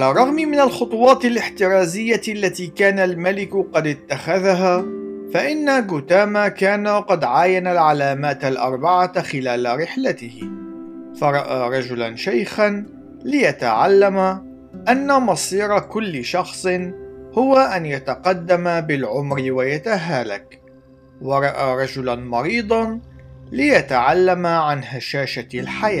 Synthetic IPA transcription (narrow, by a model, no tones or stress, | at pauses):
ʕalarˤːɑɣmɪmɪnalxʊt̪ˤuwɑːt̪ɪlɪħt̪ɪɾˤɑːzɪjːaʔalːat̪iːkaːnalmalɪkʊqɑd̪ɪt̪ːaxaðaɦaːfaʔɪnːaɡʊt̪aːmakaːnaqɑd̪ʕaːjanalʕalaːmaːt̪alʔɑ̰ɾˤbaʕaxɪlaːlaɾɪħlat̪ɪhɪ | fɑɾˤɑʔa̰ːɾˤɑd͡ʒʊlanʃajxan | lɪjat̪aʕalːama | ʔanːamɑsˤiːɾˤkʊlːʃɑxsˤɨnhʊwaʔanjat̪aqɑd̪ːamabɪlʕʊmɾɪwajat̪aɦaːlak | wɑɾˤɑʔaːɾˤɑd͡ʒʊlanmɑɾiːd̪ˤɑnlɪjat̪aʕalːamaʕanhaʃaːʃalħajaː